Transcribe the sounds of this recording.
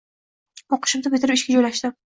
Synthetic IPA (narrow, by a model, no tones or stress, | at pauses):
ɒqʰɨ̥ʃɪmd̪abɪt̪ʰɪɾɪpɪʃkʲad͡ʒojlaʃd̪ɪ